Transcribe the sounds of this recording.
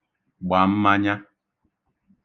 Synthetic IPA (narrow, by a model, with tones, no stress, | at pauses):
ɡ͡ba˨˦m̩˦ma˦ɲa˦